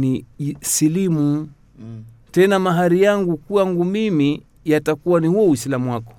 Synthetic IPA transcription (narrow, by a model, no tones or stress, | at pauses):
nisilimu | tɛnamaɦaɾijaŋɡukujaŋɡumimi | jatakuwanihuɔwislamuwakɔ̥